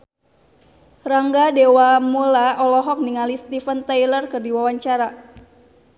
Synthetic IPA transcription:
raŋɡadewamulaɔlɔɦɔk̚niŋalist̪ifənt̪ajlərkɨrdiwawaɲt͡ʃaɾa

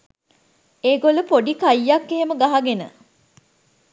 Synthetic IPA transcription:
eːɡoləpoɖikajːakːeɦeməɡaɦaɡenə

